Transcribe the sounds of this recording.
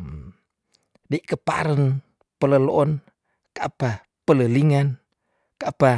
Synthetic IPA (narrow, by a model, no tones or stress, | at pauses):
diʔkəpa̰ɾən | pələloʔɔn | kapa | pələliŋan | kapa